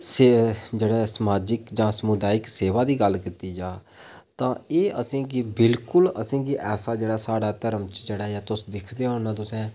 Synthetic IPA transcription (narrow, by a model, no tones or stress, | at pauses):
sed͡ʒeːɽɛːsəmaːd͡ʒɪkd͡ʒãːsəmʊd̪aːɪkseːʋaːd̪iːɡəlkɪt̪iːd͡ʒaː | t̪ãːeːʔəsĩːkɪbɪlkʊləsĩːɡiʔɛːsaːd͡ʒeːɽaːsaːɽaːt̪əɾəmt͡ʃd͡ʒeːɽaːjaːt̪ʊsd̪ɪkʰd̪eːɦõːnãːt̪ʊsɛ̃ː